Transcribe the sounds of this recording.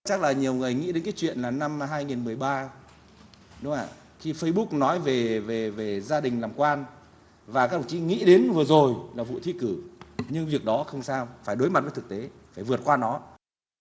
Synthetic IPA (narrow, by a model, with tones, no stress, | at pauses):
t͡ɕa˦˥k̚laː˨˩ɲi˨˩əwŋ˨˩əjŋḭ˧˥ɗe˨˦nkaː˨˦t͡ɕwḭ˧˨ənlaː˨˩na˧mɦaː˧jŋi˨˩nmɨ˨˩əjɓaː˧ | ɗʊ˨˦ŋ͡mʔa̰ː˧˨ | xi˧fə˧jɓu˦˥k̚nɔ˨˦jve˨˩ve˨˩ve˨˩zaː˧ɗï˨˩ŋ̟laː˨˩mkwaː˧n | vaː˨˩kaː˧˦˥k̚t̪ʰŋ͡mt͡ɕi˧˥ŋḭ˧˥ɗe˨˦nvɨ˨˩ə˩zo˨˩jlaː˨˩vṵ˧˨t̪ʰḭ˧˥kɨ˧˩ɲɨ˧ŋvi˨˩ək̚ɗɔ˨˦xə˧wŋ͡msaː˧wfaː˧˩jɗo˨˦jma˨˩vt̪ʰk̚t̪e˨˦faː˧˩jvɨ˨˩ət̚kwaː˧nɔ˨˦